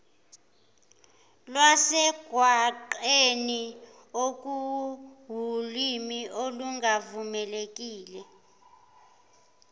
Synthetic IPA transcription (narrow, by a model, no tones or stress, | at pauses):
lwasɛɡ̥ʱwaǃeni | ok̬ʼuɦulimioluŋɡavumɛlek̬ʼiːlɛ